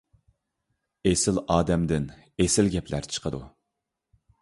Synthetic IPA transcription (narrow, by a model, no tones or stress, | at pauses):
esɪlɑːd̪ɛmd̪ɪn | esɪlɡʲɛpʰlæ̰ɾt͡ʃʰə̥qʰəd̪ṵ